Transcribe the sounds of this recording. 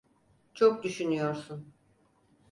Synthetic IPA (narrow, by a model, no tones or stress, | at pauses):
t͡ʃʰok̚d̪yʃynyjo̞ɾsun